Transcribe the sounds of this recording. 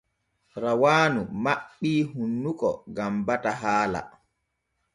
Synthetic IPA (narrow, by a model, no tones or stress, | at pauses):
ɾawaːnumaɓːiːɦunːukɔ̰ɡambataɦaːla̰